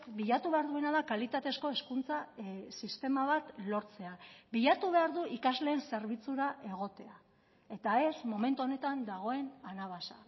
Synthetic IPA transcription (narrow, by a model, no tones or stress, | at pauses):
biʎat̪uβe̞aɾðuenaðakalit̪at̪e̞sko̞e̞skunt͡sasist̪e̞maβat̪lo̞ɾt͡se̞abiʎat̪uβ̞e̞aɾðuʔikazle̞ːnse̞ɾβit͡suɾaʔe̞ɣ̞o̞t̪e̞a | e̞t̪ae̞smo̞me̞nt̪uo̞ne̞t̪and̪aɣ̞o̞e̞nanaβ̞asa